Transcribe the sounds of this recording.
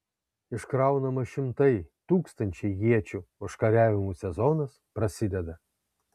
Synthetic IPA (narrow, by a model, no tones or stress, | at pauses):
ɪʃkɾɐˑʊnɐmɐʃʲɪmt̪ɐɪt̪uːkst̪ɐnʲt͡ʃʲɛɪjʲiɛt͡ʃʲuːʊʃkɐɾʲæːʋʲɪmuːsʲɛzɔnɐspɾɐsʲɪd̪ʲɛd̪ɐ